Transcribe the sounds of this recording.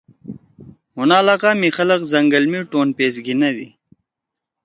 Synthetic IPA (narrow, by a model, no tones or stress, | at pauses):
hunaːlaːqaːmixɐlɐqzɐŋɡɐlmiʈoːnpeːsɡinɐd̪ḭ